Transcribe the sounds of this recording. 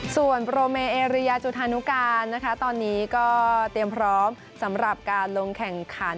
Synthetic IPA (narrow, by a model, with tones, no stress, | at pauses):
su˨˩ənpɾoː˧meː˧ʔeː˧ɾi˦˥ja˧t͡ɕu˨˩t̪̚ʰːaː˧nu˦˥kaː˧nːa˦˥kʰa˦˥t̪ɔː˧nːiː˦˥kɔː˥˩t̪i˧əmpʰɾɔː˦˥m | sa˩˦mɾa˨˩p̚kaː˧nlo˧ŋkʰɛ˨˩ŋkʰa˩˦n